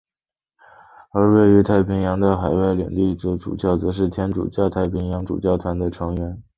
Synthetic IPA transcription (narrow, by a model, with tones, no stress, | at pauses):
ə˞˧˥we˥˩ɪy˧˥t̪ʰa˥˩ɪpʰi˧˥ŋjɑ˧˥ŋd̪ə˧xa˨˩ɪwa˥˩ɪljɛ̰˨˩ŋt̪i˥˩t͡sɔ˧˥ʈ͡ʂṵ˨˩t͡ɕjɑ˥˩ʊt͡sɤ˧˥ʂ̬ɻ̩˥˩t̪ʰjɛ˧˥nʈ͡ʂṵ˨˩t͡ɕjɑ˥˧ʊt̪ʰa˥˩ɪpʰi˧˥ŋjɑ˧˥ŋʈ͡ʂṵ˨˩t͡ɕjɑ˥˩ʊt̪ʰwa˧˥nd̪ə˧ʈ͡ʂʰɤ˧˥ŋɥɛ˧˥n